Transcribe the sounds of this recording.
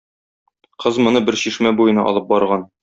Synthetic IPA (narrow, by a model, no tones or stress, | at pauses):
qɤzmŏnɤbɘɾɕiʃmæbujɤ̆nɑ̰ʔɒ̰lˠɤp̚bɒɾʁɑn